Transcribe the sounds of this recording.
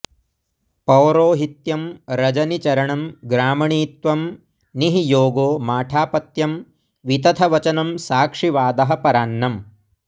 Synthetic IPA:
pɐwɾoːɦit̪jɐmɾɐd͡ʒɐnit͡ʃɐɾɐɳɐmɡɾaːmɐɳiːt̪ʋɐm | niɦijoːɡoːmaːʈʰaːpɐt̪jɐm | ʋit̪ɐt̪ʰɐʋɐt͡ʃɐnɐmsaːkʂiʋaːd̪ɐɦɐpɐɾaːnːɐm

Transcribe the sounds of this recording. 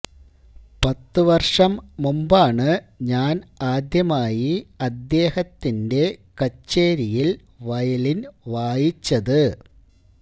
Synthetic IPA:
pɐt̪ːɨʋɐrʂɐmːumbaːɳɨɲaːnaːd̪jɐmaːjiɐd̪ːe̞ːhɐt̪ːinde̞kɐt͡ɕːeːɾijil | ʋɐjɐlinʋaːjit͡ɕːɐðɨ

